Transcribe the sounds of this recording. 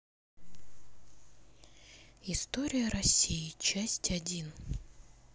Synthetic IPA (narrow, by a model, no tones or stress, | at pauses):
ɪst̪o̞ɾʲɪjəɾɐsʲːijɪt͡ɕæsʲtʲɐdʲin